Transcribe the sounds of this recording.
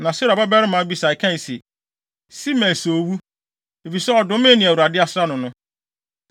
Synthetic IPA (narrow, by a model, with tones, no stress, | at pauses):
nã˨si˦ɾa˨ba˦bɛ˦ɾɪ˦mã˨˦bi˦sa˨ɪ˨kʰã˦n˨sɛ˨ | si˦mɛ̃˨n˨so˨wu˦ | e˨fi˨sɛ˦ɔ˨dʊ̃˨˦mẽ˦nɪ̃˨æ˨wu˨ɾa˨dɪ˦a˦sɾa˦nʊ̃˨nʊ̃˦